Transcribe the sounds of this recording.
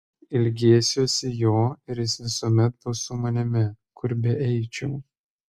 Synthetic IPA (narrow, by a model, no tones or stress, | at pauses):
ɪlʲɡʲeːsʲoːsʲɪjoːɪɾjɪsʋʲɪsuɔmʲɛt̪̚bʊsʊmɐnʲɪmʲɪ | kʰʊɾʲbʲɛʔɛɪt͡ʃʲuː